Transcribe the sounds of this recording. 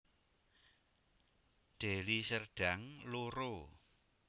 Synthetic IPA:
ɖ̪̥e̤lisərɖ̥a̤ŋloɾo

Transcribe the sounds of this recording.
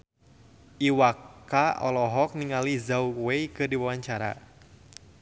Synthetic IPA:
ʔiwakaɔ̰lɔɦɔk̚niŋalizawwejkɨrdiwawaɲt͡ʃaɾa̰

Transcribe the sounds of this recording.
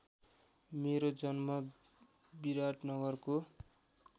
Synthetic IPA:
meɾod͡zʌnmʌ | biɾaʈnʌɡʌrko

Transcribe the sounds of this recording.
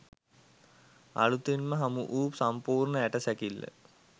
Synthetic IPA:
ɐ̰ɭut̪ːinmɐɦɐmuʔuːpsɐmpuːrɳɐeʈːɐsɐkilːɐ̰

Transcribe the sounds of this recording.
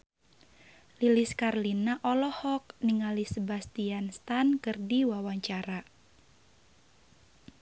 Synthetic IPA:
liliskarlinaʔɔlɔhɔk̚niŋalisəbast̪ianst̪ankɨrdiwawaɲt͡ʃaɾa

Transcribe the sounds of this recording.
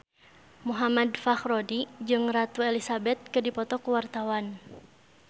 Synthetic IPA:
muɦamadfaxrɔdid͡ʒɨŋrat̪uɛlisabɛt̪̚kɨdipɔt̪ɔkuwart̪awan

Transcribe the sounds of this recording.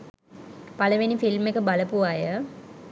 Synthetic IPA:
paləʋenifilmekəbaləpuajə

